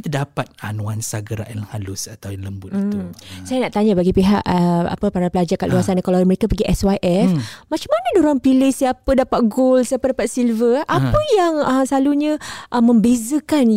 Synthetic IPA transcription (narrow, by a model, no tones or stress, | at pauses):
t̪ədapat̪̚anuansaɡəɾa̰ʔjalhalʊsat̪awjaləmbʊt̪iusajanaʔt̪aɲabaɡipiɦaʔəa̰pəpaɾapəlad͡ʒakaʔluasanakalaaməɾekapəɡiʔɛswaʔɛfmat͡ʃamanədoɾaŋpilɪhsiapədapat̪̚ɡolsijapədapat̪̚silvəapəjaŋəsaluɲãʔəmːə̃mbezəkan